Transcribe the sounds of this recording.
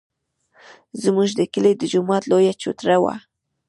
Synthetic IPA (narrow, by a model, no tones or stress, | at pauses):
zmuʒd̪əkəled̪əd͡ʒʊmɑt̪lojat͡ʃṵt̪ɾawa̰